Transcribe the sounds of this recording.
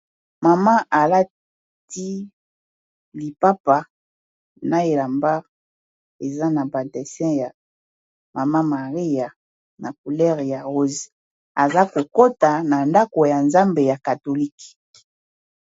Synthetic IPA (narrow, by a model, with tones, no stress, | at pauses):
ma˨ma˦ʔa˨la˦ | ti˦ | li˨pa˦pa˨ | na˦e˨la˨mba˦ʁ | e˨za˦na˨ba˨tɛ˨sɛ̃˦ja˨ | ma˨ma˦ma˨ʁi˦ja˨ | na˨k̚u˨lɛ˦ʁja˨ʁo˦zi˨ | a˨za˦ko˨ko˦ta˨na˨nda˦ko˨ja˨nza˦mbe˨ja˨ka˨to˨li˦k